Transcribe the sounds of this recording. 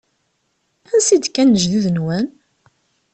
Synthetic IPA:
ænsid̪kænːəʒðiðənwæn

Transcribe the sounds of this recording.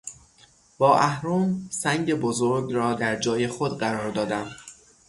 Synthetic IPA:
b̥ɒːʔæhɾoːmsæŋɟebozoɾɡɾɒːd̪æɾd͡ʒɒːje̞xod̪ɢæɾɒːɾd̪ɒːd̪æm

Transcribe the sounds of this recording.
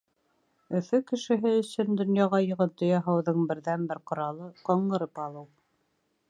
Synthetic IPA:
ɵ̆fɵkɘ̆ʃɘ̆ɦɘɵ̆sɵnd̪ŏnjɑʁɑjɤ̆ʁɤt̪ŏjɑɦɑwðɤɴbɘ̆ɾðænbɘɾqŏɾɑlˠɤqɑɴɢɤ̆ɾɤpɑlˠɤw

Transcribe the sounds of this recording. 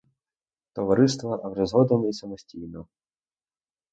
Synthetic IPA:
t̪ɔʋɐɾɪst̪ʋɐʔɐwʐɛzɦɔd̪ɔnɔisɐmɔsʲtʲijnɔ

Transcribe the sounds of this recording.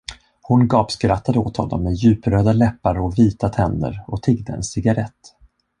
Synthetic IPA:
hʊnɡɑːpskɾat̪ːad̪əot̪hɔnːɔ̰mːɛjʉ̟ːpɾøːd̪alɛpːaɾɔviːt̪at̪ʰɛnd̪ə̰ɾɔt̪ʰɪɡd̪əɛ̰nsɪɡaɾɛt̪ː

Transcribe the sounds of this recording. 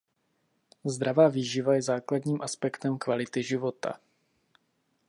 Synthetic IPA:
zd̪ɾavaːviːʒɪvajɛzaːkladɲiːmʔaspɛkt̪ɛmkvalɪt̪ɪʒɪvo̞t̪a̰

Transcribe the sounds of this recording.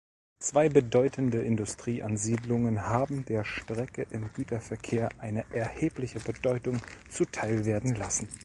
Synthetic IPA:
t͡sv̥aɪbədɔʏtʰəndəʔɪndʊstʁ̥iːʔanziːdlʊŋənhaːbm̩deːɐʃtʁ̥ɛkəʔɪmɡyːtɐfɛɐkʰeːɐʔaɪnəʔɛɐheːplɪçəbədɔʏtʊŋt͡sutʰaɪlveːɐdn̩lasn̩

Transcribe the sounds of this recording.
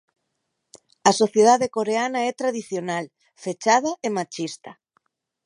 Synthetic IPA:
asoθjeð̞aðekoɾeanaɛt̪ɾaðiθjonal | fet͡ʃað̞aemat͡ʃist̪a

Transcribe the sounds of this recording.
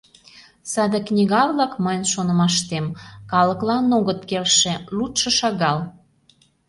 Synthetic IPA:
sɑd̪əknʲiɣɑβlɑkməjənʃonə̆mɑʃt̪emkɑlə̆klɑnoɣət̪kelʃĕlut̪ʃɤ̆ʃɑɣɑl

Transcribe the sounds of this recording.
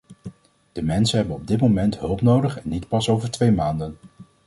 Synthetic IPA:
d̥əmɛnsənɦɛbənɔb̚dɪtmomɛntɦɵlˠpnowdəχɛnːitpɑsowvəɹtʋejmaːndən

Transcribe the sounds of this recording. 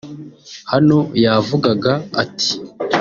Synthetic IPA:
hano̞javuɡaɡaːtʰi̥

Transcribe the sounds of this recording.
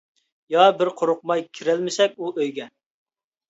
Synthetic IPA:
jɑbɪɾqʰoɾʊq̚mɑjkʲʰiɾælmɪsɛk̚ʲuʔøjɡʲɛ

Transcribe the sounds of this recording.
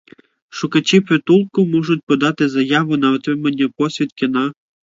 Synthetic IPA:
ʃukɐt͡ɕipɾɪt̪ulˠkʊmɔʒʊt̚ʲpɔd̪ɑt̪ɪzɐjɑʋʊnɐʊt̪ɾɪmɐnʲːɛpɔsʲʋʲit̪kʲɪnɑ

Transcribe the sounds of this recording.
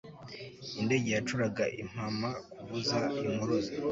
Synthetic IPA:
inde̞ɟejat͡ʃuɾaɡaʔḭm̥hamakuβuzaimuɾoza

